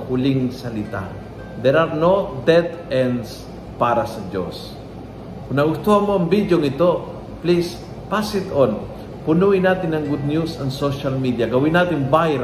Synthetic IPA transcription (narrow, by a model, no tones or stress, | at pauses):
hʊlɪŋsɐlɪt̪a̰ | d̪ɛɾaɾnod̪ɛd̪ɛns | paːɾɐsɐd͡ʒo̰s | kʊnɐɡʊst̪ohanmoɐmbid̪joŋɪt̪o | plis | pasɪt̪ɔn | pʊnuɪnaːt̪ɪnɐŋɡud̪̚njusɐnsoʃɐlmid̪ijɐɡɐwinaːt̪ɪnbajɾ